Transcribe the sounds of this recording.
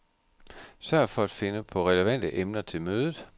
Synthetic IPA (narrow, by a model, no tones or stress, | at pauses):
sɶɐ̰fɒ̽æd̥fe̝nəpʰɒ̽ʁɛləʋæn̰d̥əʔemnɐt͡sʰe̝lmøːðˠð̩ˠ